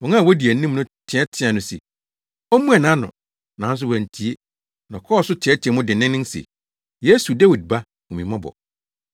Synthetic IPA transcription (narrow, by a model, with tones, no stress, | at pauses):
wɔ˨ŋã˦˨wɔ˦di˨ɛ˨˦nĩ˦mnʊ̃˦tʰɪ̃˨ɛ˦tʰɪ̃˦a˨nʊ̃˨sḛ˨ | ɔ˦mũ˦ɛ˨nã˨˦nʊ̰̃˨ | nã˨˦n̩˦s̬ʊ˦wɛ˨n˨tʰi˨˦e˦ | nɔ̃˨kʰɔ˦˨sʊ˦tʰɪ̃˨ɛ˦tʰɛ˨mʊ̃˦dɪ˨nɪ̃˦nɪ̃˦n˦sḛ˨ | je˦su˨da˦wi˨d̚ba˦ | ɔ̃˨mĩ˨mã˦bɔ̰˨